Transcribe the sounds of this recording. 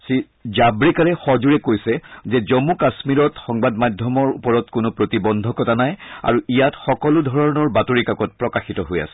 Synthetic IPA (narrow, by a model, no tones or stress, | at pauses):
si | zabɹikaɹɛxɔzuɹɛkojsɛzɛzɔmukasmiɹɔtxɔŋbadmadʱjɔmɔɹṵpɔɹɔtkʊnʊpɹotibɔndʱɔkɔtanaja̰ɹuijatxɔkɔlʊdʱɔɹɔɹnɔɹbatoɹikakɔt̚pɹɔkaxitɔɦoja̰sɛ̥